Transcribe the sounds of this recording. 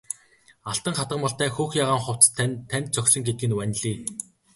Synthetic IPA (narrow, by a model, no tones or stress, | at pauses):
aɬt̪ə̆ŋχat̪ə̆mpɔɬt̪æːxuːxjaːʁaːŋχʊw̥t͡st̪ʰt̪ʰːænʲt̪̚t͡sœksɞ̆ŋɡet̪ɘɡɘ̆nwænʲɮiː